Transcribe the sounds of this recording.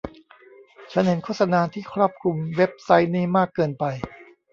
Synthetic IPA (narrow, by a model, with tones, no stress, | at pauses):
t͡ɕʰa˦˥nhe˩˦nkʰoː˥˩t̪̚sa˧naː˧t̪ʰiː˥˩kʰɾɔː˥˩p̚kʰu˧mwe˦˥p̚sa˦˥jniː˥˩maː˥˩kːɤː˧npa˧j